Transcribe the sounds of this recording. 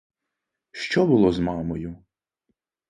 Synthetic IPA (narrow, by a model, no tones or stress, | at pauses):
ʃt͡ʃɔbʊlˠɔzmɑmɔjʊ